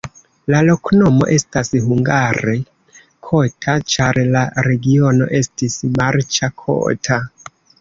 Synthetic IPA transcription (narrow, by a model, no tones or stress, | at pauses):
lalo̞kno̞mo̞̰ʔe̞stashuŋɡaɾe̞ | kʰo̞tʰat͡ʃaɾlaɾe̞ɡio̞no̞̰ʔe̞stismaɾt͡ʃakʰo̰tʰa